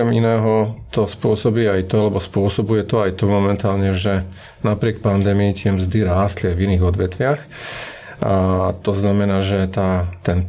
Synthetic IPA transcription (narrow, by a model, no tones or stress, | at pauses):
ɛminɛːɦɔt̪ɔspʊɔsɔbiːajt̪ɔalɛbɔspʊɔsɔbujɛt̪ɔajt̪ɔmɔmɛnt̪aːlɲɛʒɛ | napɾɪɛk̚pand̪ɛːmiit̪ɪɛmzd̪iɾaːst̪liajviniːɣɔd̪ʋɛt̪ʋɪax | t̪ɔznamɛnaːʒɛt̪aːt̪ɛn